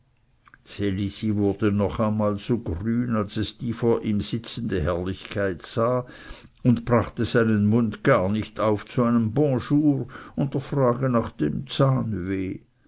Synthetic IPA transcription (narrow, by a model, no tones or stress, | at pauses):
t͡selisivʊɐd̥ənɔχaɪnmaːlz̥oːɡryːnalsɛsd̥iːfoːɐʔiːmz̥ɪt͡sən̩dəɦɛɐlɪçkʰaɪtz̥aː | ʊntb̥ʁaχtəz̥aɪnənmʊndɡ̥aːɐnɪçtaʊft͡suaɪnəmbɔ̃ʃuːʁʊntəfʁaːɡənaχd̥emt͡saːnveː